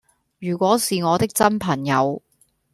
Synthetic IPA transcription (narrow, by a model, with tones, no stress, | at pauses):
jyː˨˩kʷɔː˨˥siː˨ŋɔː˨˧t̪ɪ˥k̚t͡sɐ˥npʰɐ˨˩ŋjɐ˨˧w